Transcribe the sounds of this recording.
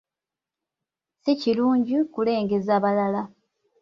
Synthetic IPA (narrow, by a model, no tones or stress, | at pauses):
siciluːɲɟikule̞ːŋɡe̞zaːβalala